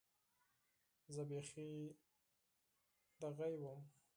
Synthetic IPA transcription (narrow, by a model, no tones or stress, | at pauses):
zəbexi | d̪aɣajwəm